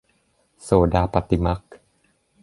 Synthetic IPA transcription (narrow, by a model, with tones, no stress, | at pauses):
soː˨˩˦daː˧pa˧t̪i˧ma˦˥k̚